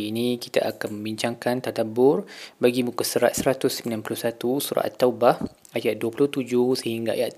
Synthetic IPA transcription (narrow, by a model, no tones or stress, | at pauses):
inĩki̥t̪a̰ʔakanmə̃mbiɲt͡ʃaŋkant̪ad̪abʊrbaɡimukusəɾa̰t̪̚səɾat̪ʊsəmilanpulʊhsat̪usuɾa̰ʔt̪ːaubah | ajat̪̚duapulʊht̪ud͡ʒʊhsəhiŋɡaa̰jat̪